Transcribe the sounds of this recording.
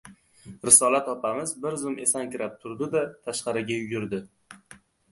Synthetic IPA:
ɾɪsɒlat̪ɒpʰamɪzbɪɾzʊmʔe̞sankʲʰɪɾap̚t̪ʰʊɾd̪ɪd̪at̪ʰaʃqɑɾɪɡʲajʊjʲɪɾd̪ɪ

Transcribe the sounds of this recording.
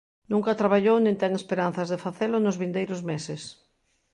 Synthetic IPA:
nũŋkat̪ɾaβaʎownĩnt̪ɛŋespeɾan̟θɐzðefaθelʊnʊzβind̪ejɾʊzmesɪs

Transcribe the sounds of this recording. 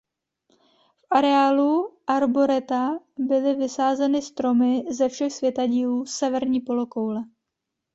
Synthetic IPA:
fʔaɾɛaːluʔaɾbo̞ɾɛt̪a | bɪlɪvɪsaːzɛnɪst̪ɾo̞mɪzɛfʃɛxsvjɛt̪aɟiːluːsɛvɛɾɲiːpo̞lokowlɛ

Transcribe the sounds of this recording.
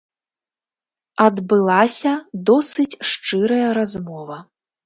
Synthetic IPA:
ɐd̪bɨlˠasʲɐd̪ɔsɨt͡sʲʂt͡ʂɨɾɐjɐɾazmɔvɐ

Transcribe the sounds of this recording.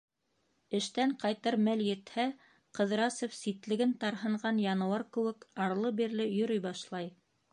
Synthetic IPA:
ɘ̆ʃt̪æɴqɑjt̪ɤɾmæljɘ̆t̪hæ | qɤ̆ðɾɑsofsit̪lɘ̆ɡɘnt̪ɑɾɦɤ̆ɴɢɑnjɑnɤ̆wɑɾkɘ̆wɘkɑɾlˠɤbiɾlɘjɵ̆ɾɵjbɑʃlˠɑj

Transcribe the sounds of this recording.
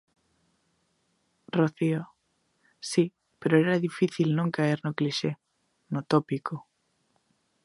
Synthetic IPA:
roθio | si | peɾoeɾaðifiθilnõŋkaeɾnokliʃe | not̪opiko

